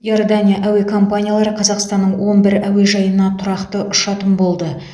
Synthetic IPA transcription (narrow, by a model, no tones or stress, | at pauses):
jo̞rd̪anʲijaʔæwe̞kʰo̞mpanʲijalˠɑɾəqʰɑzɑqst̪ɑnːəɴwo̞nbɪɾæwe̞ʒɑjənɑt̪ʰʊɾɑqt̪əʔʊʃɑt̪əmbo̞lˠd̪ə